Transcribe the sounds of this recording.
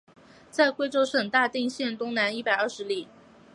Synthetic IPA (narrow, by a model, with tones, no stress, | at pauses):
t͡sa˥˩ɪkwe˥ɪʈ͡ʂo˥ʊʂɤ˨˩ŋt̪a˥˧t̪i˥˧ŋɕjɛ˥˩nt̪ʊ˥ŋna˧˥ni˥˩pa˨˩ɪə˞˥˩ʂɻ̩˧˥li˨˩